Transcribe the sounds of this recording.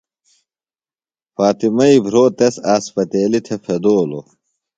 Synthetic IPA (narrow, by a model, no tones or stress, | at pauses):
faːt̪imɐibʱɾoːt̪esaːspɐt̪eːlit̪ʰefʰed̪oːlo̰